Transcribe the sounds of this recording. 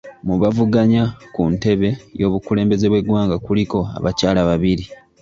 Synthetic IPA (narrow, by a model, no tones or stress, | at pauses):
muβavuɡaɲakunte̞βe̞jo̞ːβukule̞ːmbe̞ze̞βwe̞ɡwaːŋɡakuliko̞a̰βacaːlaβaβiɾi